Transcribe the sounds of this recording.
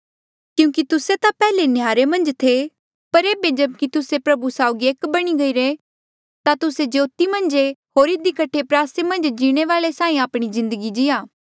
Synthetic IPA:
kjũːkit̪ʊset̪apɛːlenjaːɾemɐ̃nd͡ʒt̪ʰe | pɐɾeːbed͡ʒɐb̚kit̪ʊsepɾɐbusaːʊɡieːkbɐɽ̃iɡɐiɾeː | t̪at̪ʊsed͡ʒoːt̪imɐ̃nd͡ʒeɦoːɾɪd̪ikɐʈʰepɾaːsemɐ̃nd͡ʒd͡ʒiːɽ̃eʋaːɭesaːĩaːpɽ̃izɪ̃nd̪əɡid͡ʒɪjaː

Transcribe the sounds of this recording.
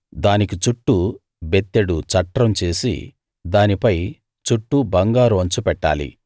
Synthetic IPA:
d̪aːnikit͡ʃuʈːu | bet̪ːeɽut͡ʃɐʈːɾɐmt͡ʃe̞ːsḭ | d̪aːnipɐj | t͡ʃuʈːubɐŋɡaːɾuʋɐɲt͡ʃupɛʈːa̰ːlḭ

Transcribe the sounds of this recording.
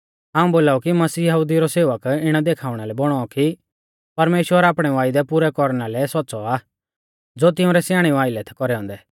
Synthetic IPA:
ɦaːũboːlaːukimɐsiːjɐɦuːd̪iɾɔseːʋəkɪɽ̃ɛd̪eːkʰaːʊɽ̃alɛbɔɽ̃ɔɔki | pɐɾmeːʃwəɾaːpɽ̃ɛʋaːɪd̪ɛpʊɾɛkɔɾnalɛsɔːt͡sɔaː | d͡zoːt̪ɪũɾɛsjaːɽ̃iaːɪlɛt̪ʰɛ̥kɔɾɛɔ̃ːnd̪ɛ

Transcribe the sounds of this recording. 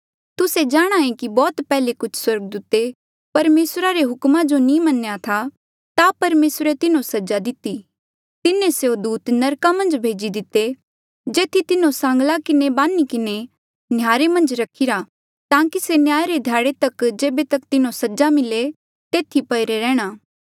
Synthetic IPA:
t̪ʊsed͡ʒaːɽ̃aːẽkibɔːt̪pɛːlekʊt͡ʃʰswɐɾɡ̚d̪uːt̪e | pɐɾmeːsɾaɾeɦʊkmãd͡ʒonĩmɐnjat̪ʰa | t̪apɐɾmeːsɾet̪ɪnõsɐd͡ʒad̪ɪt̪i | t̪ɪnẽseod̪uːt̪nɐɾkamɐ̃nd͡ʒbʱeːd͡ʒid̪ɪt̪ːe | d͡ʒeːt̪ʰit̪ɪnõsãːŋɡlakɪnebaːnikɪne | njaːɾemɐ̃nd͡ʒɾɐkʰɪɾa | t̪ãːkisenjaːjɾed̪ʱjaːɽet̪ɐkd͡ʒeːbet̪ɐkt̪ɪnõsɐd͡ʒamɪle | t̪eːt̪ʰipɐɪɾeɾɛːɽ̃aː

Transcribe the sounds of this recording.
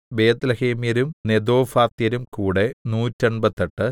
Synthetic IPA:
beːd̪lɐheːmjɐɾumned̪o̞ːfaːt̪ijɐɾumkuːɽenuːtːoɳbɐt̪ːɐʈːɨ

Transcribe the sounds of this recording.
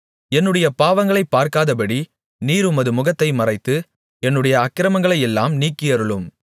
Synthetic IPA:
ɛnːɯɽɐjɐpaːʋɐŋɡɐɭɐɪpːaːɾkaːðɐpɐɽi | niːɾʊmɐðɯmʊɣɐt̪ːɐɪmɐrɐɪt̪ːɯ | ɛnːɯɽɐjɐːkːɪɾɐmɐŋɡɐɭɐɪɛlːaːmniːkːɪjɐɾɯɭɯm

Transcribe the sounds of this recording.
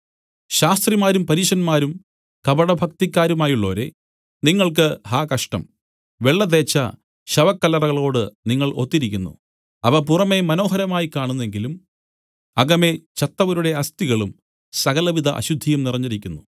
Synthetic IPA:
ɕaːst̪rimaːɾumpɐɾiːɕɐnmaːɾum | kɐbɐɽɐbʱɐkt̪ikʲːaːɾumaːjuɭːo̞ːɾḛ | niŋːɐɭk̬ɨhaːkɐʂʈɐ̰m | ʋe̞ɭːɐðeːt͡ɕːɐ̰ | ɕɐʋɐkːɐlːɐrɐɣɐɭo̞ːɽɨniŋːɐɭʔo̞t̪ːiɾikʲːunːṵ | ɐʋɐp̬urɐme̞mɐno̞ːɦɐɾɐmaːjikaːɳunːe̞ŋɡilum | ɐɡɐme̞t͡ɕɐt̪ːɐʋɐɾuɽe̞ɐst̪iɣɐɭum | sɐɣɐlɐʋid̪ʱɐ̰ʔɐ̰ɕud̪ʱːijɐmnirɐɲːiɾikʲːunːu

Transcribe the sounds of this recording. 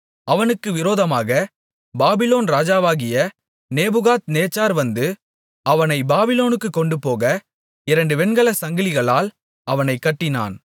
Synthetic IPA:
ʔɐʋɐnɯkːɯʋɪɾoːðɐmaːɣɐ | baːbɪloːnɾaːd͡ʒaːʋaːɣɪjɐ | neːbɯɣaːt̪neːt͡ʃːaːɾʋɐnd̪ɯ | ʔɐʋɐnɐɪbaːbɪloːnɯkːɯkːɔɳɖɯpoːɣɐ | ɪɾɐɳɖɯʋɛnɡɐɭɐsɐŋɡɪlɪɣɐɭaːl | ʔɐʋɐnɐɪkːɐʈːɪna̰ːn

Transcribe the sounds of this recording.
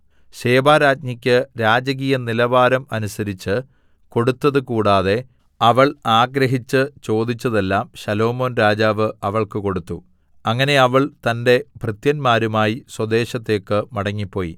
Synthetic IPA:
ɕe̞ːbaːɾaːtɲɐkʲːɨɾaːd͡ʑɐɣ̬iːjɐnilɐʋaːɾɐmɐnusɐɾit͡ɕːɨ | ko̞ɽut̪ːɐðɨkuːɽaːðe̞ | ɐʋɐɭaːɡɾɐɦit͡ɕːɨt͡ɕo̞ːd̪it͡ɕːɐðe̞lːaːmɕɐlo̞ːmo̞ːnɾaːd͡ʑaːʋɨɐʋɐɭkɨko̞ɽut̪ːu | ɐŋːɐne̞ɐʋɐɭt̪ɐnde̞bʱrɨt̪jɐnmaːɾumaːjiswɐd̪e̞ːɕɐt̪ːe̞ːkːɨmɐɽɐŋːipːo̞ːjḭ

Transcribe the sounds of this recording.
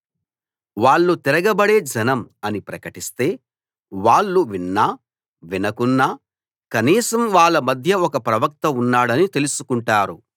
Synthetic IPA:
ʋaːɭːut̪iɾɐɡɐbɐɽe̞ːd͡ʒɐnɐmɐnipɾɐkɐʈist̪e̞ː | ʋaːɭːuʋinːaː | ʋinɐkunːaː | kɐniːsɐmʋaːɭːɐmɐd̪ʱjɐɔkɐpɾɐʋɐk̚t̪ɐunːaːɽɐnit̪e̞lusu̥kuɳʈaːɾu

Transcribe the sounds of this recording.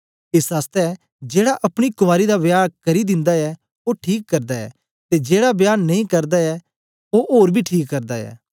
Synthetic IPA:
ɪsaːst̪ɛ | d͡ʒeːɽaʔɐpɽ̃ikʊmaːɾid̪abjaːɾkɐɾid̪ɪ̃nd̪aɛ | oʈʰiːkːɐɾd̪aɛ̰ː | t̪ed͡ʒeːɽabjaːnnɐĩkɐɾd̪aɛ | oʔoːɾbʱiʈʰiːkːɐɾd̪aɛ̰ː

